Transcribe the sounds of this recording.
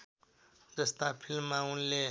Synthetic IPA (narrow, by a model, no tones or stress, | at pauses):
d͡zəst̪apʰilmːãunle